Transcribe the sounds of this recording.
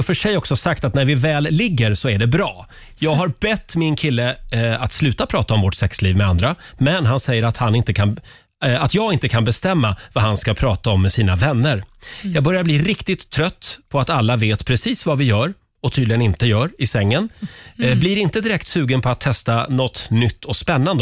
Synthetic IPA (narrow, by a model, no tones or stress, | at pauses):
ɔfœʂɛjːɔksɔsak̚t̪at̪næɾvɪvɛːlːɪɡːəɾsɔæɖɛbɾɑː | jɑːɡɦaɾbɛt̪ːmɪnkʰɪlːəat̪slʉ̟ːt̪apʰɾɑːt̪aɔmvɔʈːsɛksliːvmɛand̪ɾamɛnɦansɛjːəɾat̪hanɪnt̪əkʰan | at̪jɑːɡɪnt̪əkʰanbɛst̪ɛmːavaɦanskapʰɾɑːt̪aɔmːɛsiːnavɛnːəɾjɑːɡ̚bœɾjabliːɾɪkt̪ɪt̪ʰːɾœt̪ːpʰɔat̪alːaveːt̪pʰɾɛsiːsvavɪjœːɾ | ɔt̪ʰyːd̪lɪɡənɪnt̪əjœːɾɪsɛŋːənbliɾɪnt̪əd̪ɪɾɛk̚t̪sʉ̟ːɡənpʰɔat̪ʰːɛst̪anɔt̪ːnʏt̪ʰːɔkspɛnːand̪ə